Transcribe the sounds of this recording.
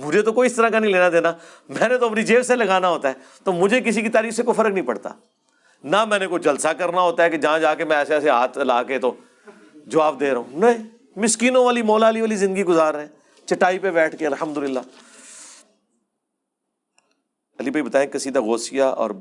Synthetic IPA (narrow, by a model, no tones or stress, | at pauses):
mʊd͡ʒʱet̪okoːiɪst̪əɾãkanəɦĩleːnad̪eːnaː | mɛ̃ːnet̪oɐpnid͡ʒeːʋselɐɡaːnaɦoːt̪aɦɛː | t̪oːmʊd͡ʒʱek̬ɪsikit̪aːɾiːfsekofɐɾəknəɦĩpɐɽt̪a̰ː | namɛ̃ːnekoid͡ʒɐlsakəɾnaɦoːt̪aɦɛked͡ʒɐãd͡ʒaːkemɛ̃ɛːsɛːseɦaːt̪ʰɪlaːket̪o | d͡ʒɐʋaːbd̪eːɾɐɦũːnɐĩ | mɪskiːnõʋaːlimɔːlaːliʋaːlizɪ̃nd̪əɡiɡʊzaːɾɦɛ̃ː | t͡ʃɐʈːaːipebɛːʈʰkeɐlɦəmd̪ʊlɪlːaː | ɐliːbʱaːibɐt̪aːẽːkɪsid̪aɣoːsɪjaɔ̰ːɾ